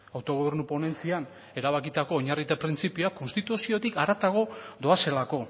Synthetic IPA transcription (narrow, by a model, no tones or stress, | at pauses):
awt̪o̞ɣo̞βe̞ɾnupo̞ne̞nt͡sian | e̞ɾaβ̞akit̪ako̞ːɲarit̪epɾint͡sipioako̞nst̪it̪usio̞t̪ikaɾat̪aɣo̞d̪o̞ase̞lako̞